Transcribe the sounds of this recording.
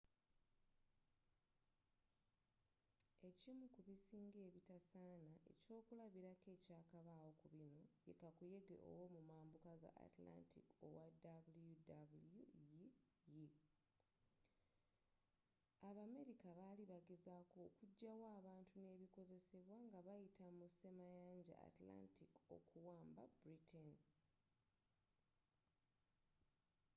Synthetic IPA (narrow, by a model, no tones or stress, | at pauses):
e̞cimukuβisiːŋɡe̞ːβitasaːnae̞̰co̞ːkulaβiɾake̞ːcaːkaβaːwo̞kuβinoje̞kakuje̞ɡḛʔo̰womumaːmbukaɡa̰ʔa̰tla̰ntʰḭko̰wadabuljudabuluj | ji | aβame̞ɾikaβaliβaɡezako̞kuɟːawaːβaːntune̞ːβiko̞ze̞se̞βwaŋɡaβajitʰamuse̞majaːɲɟa̰a̰tla̰ntiko̞̰kuwaːmba̰bɾitʰen